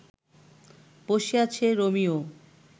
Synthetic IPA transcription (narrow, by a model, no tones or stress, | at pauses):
poʃiat͡ɕʰeɾomio